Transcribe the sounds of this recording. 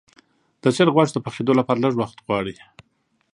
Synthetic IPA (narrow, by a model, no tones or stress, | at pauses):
d̪̥ət͡ʃaɾɣwɑɽd̪əpaxed̪olapɑɾaləʐwaxt̪ɣwɑɽi